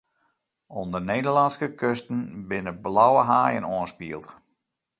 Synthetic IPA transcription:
ɔndərneːdərlɑnskəkʰøstən̩bɪnəblawəɦaːjə̰noənspiəlˠt

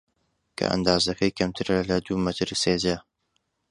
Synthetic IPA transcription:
kʰɐ̰ʔɐ̰nd̪aːzɐkʰɐjkʰɐmt̪ʰɨɾɐlɐd̪uːmɐt̪ʰɨɾseːda

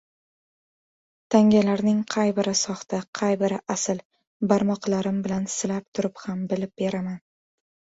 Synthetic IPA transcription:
t̪ʰaŋɡʲalaɾnɪŋqʰɑjbɪɾɪsɒχt̪ʰaqʰɑjbɪɾɪʔasɪl | baɾmɒqlaɾɪmbɪlansɪlap̚t̪ʰʊɾɪphambɪlɪp̚be̞ɾaman

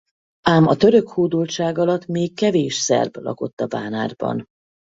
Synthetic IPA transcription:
aːmɒt̪øɾøkhoːd̪ult͡ʃaːɡɒlɒt̪meːkːɛveːʃsɛ̰rblɒ̰ko̞t̪ːɒba̰ːna̰ːrbɒ̰n

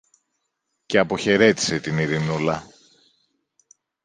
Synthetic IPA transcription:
ce̞ɐpo̞çe̞ɾe̞t̪i̥se̞t̪iniɾinulɐ

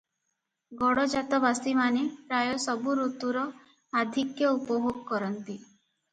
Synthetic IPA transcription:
ɡɔɽɔd͡ʒat̪ɔbasimanepɾajɔsɔbuɾot̪uɾɔ | ad̪ʱikjɔupɔboɡɔkɔɾɔnt̪i

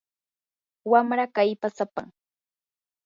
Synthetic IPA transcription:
wamɾakajpasapa̰ŋ

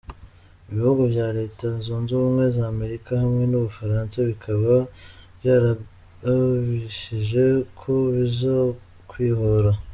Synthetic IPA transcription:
iβihuɡoβjaːɾe̞ːtazoːnzuumŋwe̞zaːme̞ɾikahamŋe̞nuβufaɾaːnsaβikʰaβaβjaːɾa | βiʃiʒe̞kʰoβizo | kwiːhoɾa

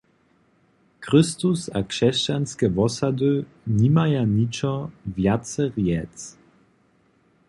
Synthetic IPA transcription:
kɾɪst̪usakʂɛst͡ɕanskɛvɔsad̪ɨ | nimajanit͡ʃɔvjasɛʁjɛtt͡s

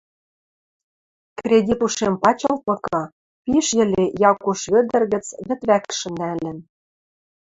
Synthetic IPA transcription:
krʲedʲit̪uʃempɑt͡ɕɤ̆lt̪̚ɤ̆kɑ | piʃjɘ̆lʲejɑkuʃβø̆d̪ɘ̆rɣɘ̆t͡sβɘ̆t̪βækʃɘ̆nælɘ̆n

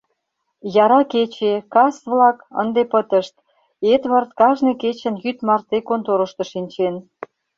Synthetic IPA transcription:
jɑɾɑket͡ɕekɑsβlɑkə̰nd̪epət̪ə̆ʃt̪̚ | ed̪βɑrt̪kɑʒneket͡ɕə̆njyt̪mɑrt̪ekont̪oɾəʃt̪ɤ̆ʃinʲt͡ɕen

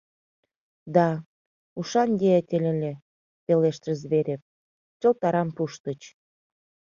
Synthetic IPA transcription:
d̪ɑ | uʃɑnjeet̪ʲelʲelʲe | peleʃt̪əzβeɾʲep̚ | t͡ɕŏlt̪ɑɾɑmpuʃt̪ə̆t͡ɕ

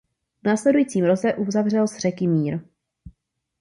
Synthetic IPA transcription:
vnaːslɛdujiːt͡siːmɾot͡sɛʔuzavr̝ɛlsr̝ɛkɪmiːɾ

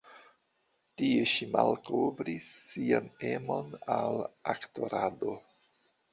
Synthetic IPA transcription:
tieʃimalko̞vɾisːiane̞mo̞nalakto̞ɾado̞

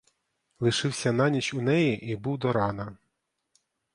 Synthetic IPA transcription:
lˠɪʃɪwsʲɐnɑnʲit͡ʃunɛjiʔibuwd̪ɔɾɑnɐ

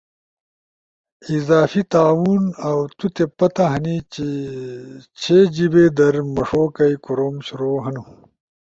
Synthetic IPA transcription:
izaːfit̪aːwuːnɐwt̪ut̪epɐt̪ɐɦɐnit͡ɕi | t͡ɕʰeːd͡ʑibeːd̪ɐɾmɐʂoːkɐjkuɾoːmɕuɾoːɦɐnu

